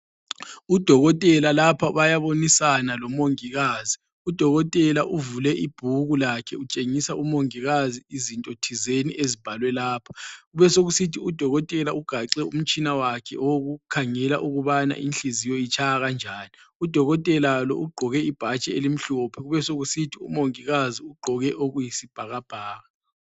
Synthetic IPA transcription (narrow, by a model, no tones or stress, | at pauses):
ud̥ʱɔɣɔtʼɛlalapʰaβajaβonisanalɔmoŋiɣaːzi | ud̥ʱɔɣɔtʼɛlaʔuvulɛʔib̥ʱuɣulakʰɛut͡ʃʼeŋisaʔumoŋiɣaziizintʼotʰizeniʔezib̥ʱalwɛlaːpʰḁɣuβɛsoɣusitʰiud̥ʱɔɣɔtʼɛlauɡ̥ʱaǁɛṵm̩t͡ʃʼinawakʰɛ̰ʔoɣukʰaŋɛla̰ʔuɣuβana̰ʔinɬizijoit͡ʃʰajaɣand͡ʒʱaːni | ud̥ʱɔɣɔtʼɛlalɔ̰ʔuɡ͡ǃʱɔɣɛib̥ʱat͡ʃʼɛelim̩ɬupʰɛɣuβɛsoɣusitʰiṵmoŋiɣaziuɡ͡ǃʱɔɣɛʔoɣujisib̥ʱaɣab̥ʱaːɣa